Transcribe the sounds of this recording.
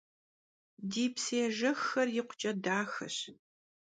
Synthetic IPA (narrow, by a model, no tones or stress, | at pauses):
diːpseːʒɐxːɐrjɪqʷʊ̥t͡ʃʼɐdaːxɐ̰ɕ